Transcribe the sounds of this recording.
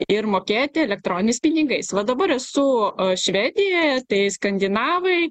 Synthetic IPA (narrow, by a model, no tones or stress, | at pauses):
ɪɾmoːkʲeːt̪ʲɪɛlʲɛk̚t̪ɾoːnʲɪnʲɪspʲɪnʲɪɡɐɪsʋɐd̪ɐbɐɾɛsʊʃʲʋʲæːd̪ʲɪjoːjɛt̪ɐɪskɐnʲd̪ʲɪnɑːʋɐɪ